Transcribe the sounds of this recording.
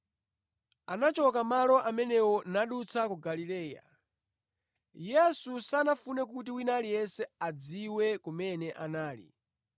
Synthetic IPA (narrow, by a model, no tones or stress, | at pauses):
anat͡ʃɔkamalɔʔamɛnɛwɔnaɗut͡sʰakuɡalilɛːja̰ | jɛsusanafunɛk̬ut̬iwinalijɛsɛad͡ziwɛkumɛnɛʔanaːlḭ